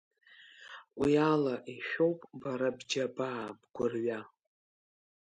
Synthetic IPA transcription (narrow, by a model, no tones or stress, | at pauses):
wialaʔiʃᶣo̞wpʼbaɾabd͡ʒabaːbʼɡ̥ʷʊrɥa